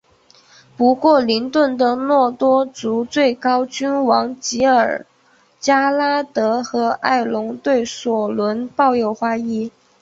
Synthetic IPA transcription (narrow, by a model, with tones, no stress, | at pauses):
pu˧˥kwɔ˥˩li˧˥nt̪wə˥˩nd̪ə˩nwɔ˥˩t̪wɔ˥t͡su˧˥t͡swe˥˩ɪkɑ˥ʊt͡ɕy˥nwɑ˧˥ŋt͡ɕi˧˥ə˞˨˩ | t͡ɕja˥la˥t̪ɤ˧˥xɤ˧˥a̰˥˩ɪlʊ˧˥ŋt̪we˥˩ɪswɔ˨˩lwə˧˥npɑ˥˧ʊjo˥˩ʊxwa˥i˥˩